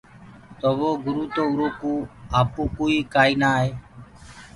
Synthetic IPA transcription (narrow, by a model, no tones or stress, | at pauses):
t̪oːʋoːɡʊɾuːt̪oːʊɾoːkũːaːpoːkoːiːkaːiːnaːɦeː